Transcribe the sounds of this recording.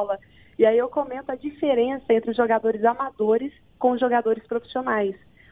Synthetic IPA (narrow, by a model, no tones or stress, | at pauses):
lɐ | ɪaiewkomẽnt̪ʊɐd͡ʒifeɾẽsɐẽnt̪ɾɪʊzʒoɡad̪oɾɪzamad̪oɾɪs | kõʒoɡad̪oɾɪspɾofi̥sionajs